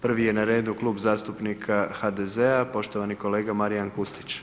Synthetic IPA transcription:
pr̩ʋije̞naɾe̞ːd̪uklˠuːbzaːst̪upnikʰaxad̪ezeapo̞ʃt̪o̞ʋaniko̞le̞ːɡamaɾijankust̪i̥t͡ɕ

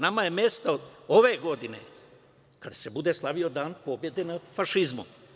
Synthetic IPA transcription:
namaje̞mjest̪aoʋe̞ɡo̞d̪inḛ | kad̪ḁse̞bud̪e̞slˠaʋio̞d̪aːnpo̞bje̞d̪enafaʃizmṵm

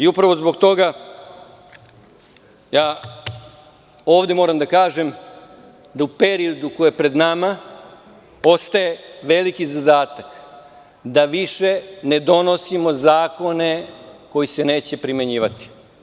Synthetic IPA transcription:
iupɾaʋo̞zbo̞ɡt̪o̞ɡa | jaː | o̞ːʋd̪e̞mo̞ːɾamd̪akaːʒe̞m | d̪aupe̞ɾiod̪ukojepɾe̞d̪nama | o̞st̪aje̞ʋe̞likizad̪aːt̪ak | d̪aʋiʃe̞ne̞d̪o̞no̞simo̞zaːko̞ne̞ko̞jisene̞ːt͡ɕe̞pɾime̞ɲiːʋat̪i̥

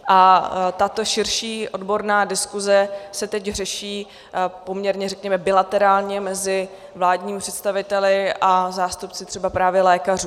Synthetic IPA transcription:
ʔat̪at̪o̞ʃɪɾʃiːʔo̞dbo̞ɾnaːdɪskuzɛsɛt̪ɛcrɛʃiː | po̞mɲɛɾɲɛrɛkɲɛmɛbɪlat̪ɛɾaːlɲɛmɛzɪ | vlaːdɲiːmpr̥ɛt̪st̪avɪt̪ɛlɪʔazaːst̪up̚t͡sɪt̪r̝̥ɛbapɾaːvjɛlɛːkaruː

